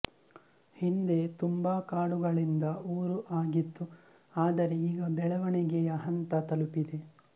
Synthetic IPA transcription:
hind̪e̞t̪umbaːkaːɽuɡɐɭind̪ɐuːɾuʔaːɡit̪ːu | aːd̪ɐɾe̞iːɡɐbɛɭɐʋɐɳɛɡɛjɐɦɐnt̪ɐt̪ɐlupid̪e̞

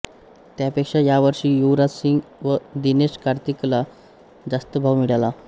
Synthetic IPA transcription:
t̪japekʂajaʋəɾʂiːjuʋɾasiŋɡʋəd̪ineʂkaɾt̪ikla | d͡zast̪əbʱaʋmiɽala

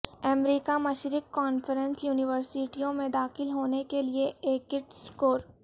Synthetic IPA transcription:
ɛmɾiːkamɐʃɾɪkːɔːnfəɾə̃nsjuːnɪʋəɾsɪʈijõmẽd̪aːxɪlɦoːnekelieeːkɪʈskoːɾ

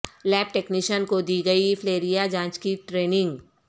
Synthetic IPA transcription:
lɛːp̚ʈeːkniːʃənkod̪iːɡɐifʰleːɾijad͡ʒãːt͡ʃkiʈɾeːnɪ̃ŋɡ

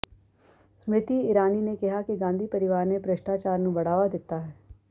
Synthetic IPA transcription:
smɾɪt̪iɪɾaːninekɪɦakiɡãːnd̪ʱipɐɾɪʋaːɾnẽpɾɐʃʈaːt͡ʃaːɾnũbɐɽ̤aːʋad̪ɪt̪aɦɛː

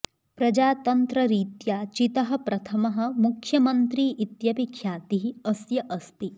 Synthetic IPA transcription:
pɾɐd͡ʒaːt̪ɐnt̪ɾɐɾiːt̪jaːt͡ʃit̪ɐɦɐ̆pɾɐt̪ʰɐmɐɦɐ̆mukʰjɐmɐnt̪ɾiːʔit̪jɐpikʰjaːt̪iɦiɐsjɐʔɐst̪i

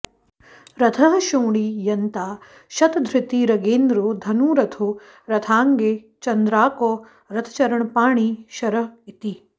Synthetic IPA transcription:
ɾɐt̪ʰɐɦɐʃoːɳ̃ijɐnt̪aː | ʃɐt̪d̪ʱɾɪt̪iːɾɐɡeːnd̪ɾoːd̪ʱɐnuːɾɐt̪ʰoː | ɾɐt̪ʰaːŋɡeː | t͡ʃɐnd̪ɾaːkoː | ɾɐt̪ʰɐ̥t͡ʃɐɾɐɳpaːɳ̃iʃɐɾɐɦit̪i

